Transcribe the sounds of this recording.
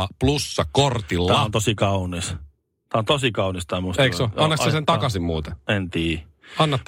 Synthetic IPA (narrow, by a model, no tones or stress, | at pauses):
ɑplusːɑkkort̪ilæːæɑont̪osikɑunis | t̪æːont̪osikɑunist̪ɑːˑmuseeioɑnːɑkːɑsent̪ɑkɑsimmuːt̪eent̪iː | ɑnːɑ